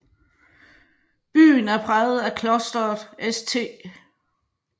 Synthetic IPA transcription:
b̥y̰ːnæɐpʰʁað̩ˠækʰlɔ̽sd̥ɐð̩ˠest͡sʰe̝̰ː

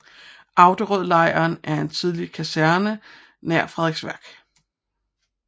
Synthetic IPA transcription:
ʔɑ̈ʊd̥əʁœð̰ˠlɑ̈ɪ̰ɐːnæɐe̝nt͡sʰið̞ˠlikʰæsæɐnə | næɐ̰fʁɛðˠeɡ̥sʋæɐɡ̥

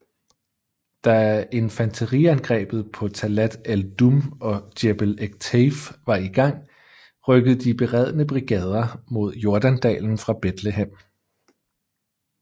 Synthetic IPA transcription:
d̥æe̝nfænt͡sʰəʁiænɡ̥ʁɛ̰ːb̥ð̞̩ˠpʰɒ̽t͡sʰælæd̥æld̥umɒ̽d̥eb̥leɡ̥̚t͡sʰefʋɑ̈iɡ̥ɑ̈ŋ̰ | ʁœɡ̥əð̩ˠd̥ib̥e̝ʁɛð̰ˠənəb̥ʁiɡ̥ɛːð̞ˠɐmo̝ð̞̰ˠjo̝ɐd̥ænd̥ɛ̰ːln̩fʁɑ̈b̥ed̥le̝ɦem̰

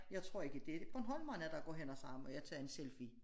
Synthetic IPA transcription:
jɑ̈ɪt͡sʰʁɔ̝ɐ̰e̝ɡ̥əd̥e̝b̥ʰɒnɦɒ̽l̰mɑ̈ɪnæd̥ɑ̈ɡ̥ɒ̰ːɦenɒsɑ̈mɒjɑ̈ɪt͡sʰɑ̰ːɐe̝nselfi

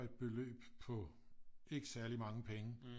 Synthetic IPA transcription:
e̝d̥̚b̥e̝lø̰ːb̥pʰɒ̽e̝ɡ̥əsæɐlimɑ̈ŋəpʰeŋə

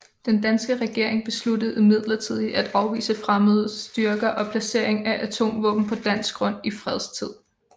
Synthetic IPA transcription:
d̥end̥ænsɡ̥əʁɛɡ̥e̝ɐ̰eŋb̥e̝sludəð̩ˠimið̞̰ˠlɐt͡sʰið̞̰ˠiæd̥ɑ̈ʊʋḭːsəfʁaməðˠsd̥yɐɡ̥ɐʔɒ̽pʰlæse̝̰ɐ̰eŋæʔæt͡sʰo̝̰ːmʋɔ̰̽ːb̥n̩pʰɒ̽d̥æn̰sɡ̥ʁɔ̽n̰ifʁɛð̞ˠst͡sʰið̰ˠ

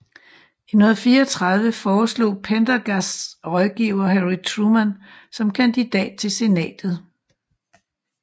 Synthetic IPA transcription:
imoɐfiːɐɒt͡sʰʁɑ̈ð̞ˠʋəfɒːslo̰ːpʰend̥ɐɡ̥æsʁɒ̽ðˠɡ̥iːʊɐɦeʁit͡sʰʁumænsɒ̽mkʰænd̥id̥ɛ̰ːd̥̚t͡sʰe̝lse̝nɛ̰ːd̥ð̞̩ˠ

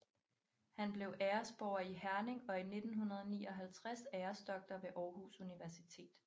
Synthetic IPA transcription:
hænb̥le̝ʊʔeːɐsb̥ɒʊɐihæɐne̝ŋɒ̽ine̝d̥n̩ɦunɐð̞ˠɒnḭːɒ̽ɦælt͡sʰʁasæːɐsd̥ɒ̽ɡ̥̚d̥ɐʋe̝ʔɒːɦusuniʋæɐsit͡sʰe̝̰ːd̥

